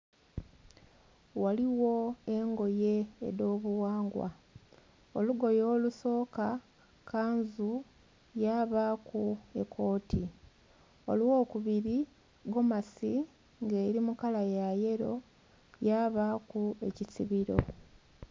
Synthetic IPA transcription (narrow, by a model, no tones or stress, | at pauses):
waliwo̞eŋɡo̞je̞̰ːdo̞ːβuwaːŋɡwa̰ | oluɡo̞joːluso̞ːka | kaːnzu | jaβakuekʰo̞ːtʰi | o̞luwo̞ːkuβiɾi | ɡo̞masi | ŋɡe̞ɾimukalajaje̞ɾo̞ | jaːβakue̞cisiβiɾo̞̰